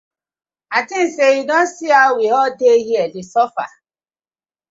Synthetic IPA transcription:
atiseidɔsiawiɦɔdeɦiedisɔfa̰

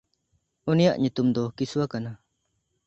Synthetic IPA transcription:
unijaʔɲut̪umd̪ɔkisuakana

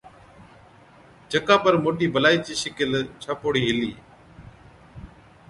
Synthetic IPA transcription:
d͡ʒəkãːpəɾmoːʈiːbəlaːiːt͡ʃiːʃɪkɪlt͡ʃʰaːpoːɽiːɦɪliː

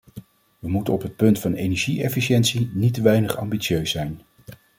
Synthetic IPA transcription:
ʋəmutənɔpɦət̚pɵntfɑnejnɛɹʒiɛfiʃɛntsinitəʋɛjnəχɑ̰mbisøɥsɛjn

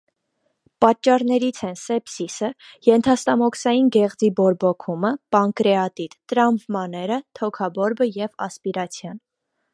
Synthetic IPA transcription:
pɑt͡ʃːɑɾnɛɾit͡sʰɛnsɛpsisəjɛnt̪ʰɑst̪ɑmɔksɑjinɡɛʁd͡zibɔɾbɔkʰuməpɑŋkɾɛɑt̪it̪ːəɾɑmvmɑnɛɾət̪ʰɔkʰɑbɔɾbəjɛvɑ̰spiɾɑt͡sʰjɑn

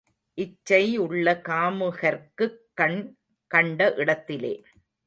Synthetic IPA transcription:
ʔɪt͡ʃːɐɪʊɭːɐkaːmɯɣɐɾkɯkːɐɳ | kɐɳɖɐʔɪɽɐt̪ːɪlḛː

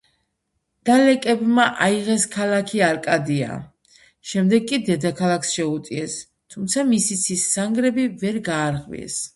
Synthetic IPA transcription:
d̪̥alɛkʼɛbmaʔaiʁɛskʰalˠakʰiaɾkʼad̪ia̰ | ʃɛmd̪ɛɡkʼid̪ɛd̪akʰalˠaksʃɛut̪ʼiɛs | t̪ʰumt̪sʰamisit̪sʰisːaŋɡɾɛbivɛɾɡaːɾʁvḭɛ̰s

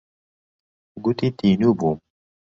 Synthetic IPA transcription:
ɡut̪it̪inubu

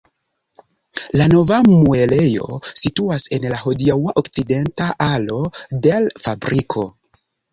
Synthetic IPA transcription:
lano̞vamue̞le̞jo̞̰situase̞nlaɦo̞diawaʔokt͡side̞ntaʔalo̞de̞lfabɾikʰo̞

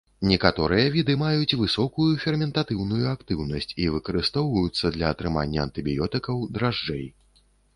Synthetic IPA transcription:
nʲɛkat̪ɔɾɨjɐvʲid̪ɨmajut͡sʲvɨsɔkujufʲɛrmʲɛnt̪at̪ɨwnujuakt̪ɨwnɐsʲt͡sʲivɨkɐɾɨst̪ɔwvɐjut̪sːɐd̪lʲɐːt̪ɾɨma̰nʲːɐɐnt̪ɨbʲijɔt̪ɨkɐwd̪ɾaʐd͡ʐɛ̰j

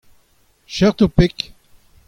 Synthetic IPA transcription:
ʃɛʁt̪opɪk

